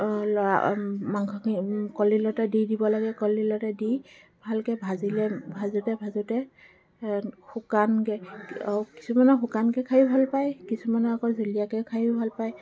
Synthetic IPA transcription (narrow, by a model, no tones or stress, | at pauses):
lɔa̰maŋkɔkikɔlilɔtɛdidibɔlaɡɛkɔlilɔtɛdi | bʱalkɛbʱazilɛbʱazutɛbʱazutɛ | xukankɛauki̥sumanɔxukankɛkʰajubʱalpajkisumanɔakɔzulijakɛkʰajubʱalpaj